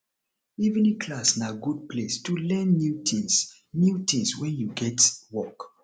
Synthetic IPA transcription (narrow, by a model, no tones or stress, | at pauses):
ivnĩkʰlasnaɡud̚plestulɛ̃nːjutʰĩs | njutʰĩŋswɛ̃njuɡɛtwɔk